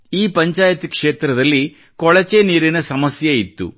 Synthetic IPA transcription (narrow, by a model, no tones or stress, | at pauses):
iːpɐɲt͡ʃaːjɐt̪ikʂe̞ːt̪ɾɐd̪ɐlːi | kɔɭɐt͡ʃeniːɾinɐsɐmɐsjɐit̪ːṵ